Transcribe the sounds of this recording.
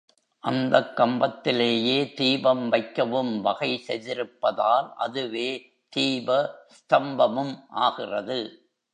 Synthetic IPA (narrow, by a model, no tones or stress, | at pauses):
ʔɐnd̪ɐkːɐmbɐt̪ːɪleːjeːt̪iːbɐmʋɐɪkːɐʋɯmʋɐɣɐɪsɛ̰jðɪɾɯpːɐðaːlʔɐ̰ðɯʋeː | t̪iːbɐst̪ɐmbɐmɯmʔaːɣɪrɐðɯ